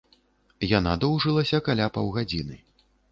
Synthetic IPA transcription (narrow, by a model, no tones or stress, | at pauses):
janad̪ɔwʐɨlˠɐsʲɐkalʲapawɣad͡zʲinɨ